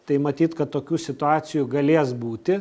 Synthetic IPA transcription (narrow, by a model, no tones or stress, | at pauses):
t̪ɐɪmɐt̪ʲiːt̪kɐt̪t̪ːoːkʲuːsʲɪt̪ʊɑːsʲɪjuɡɐlʲeːsbuːt̪ʲɪ